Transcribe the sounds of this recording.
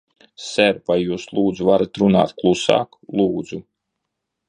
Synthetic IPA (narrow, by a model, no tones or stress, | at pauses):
sɛɾpajjuːslˠuːd̪zuvaɾat̪ɾuna̰ːt̪̚klˠusa̰ːklˠuːd̪zu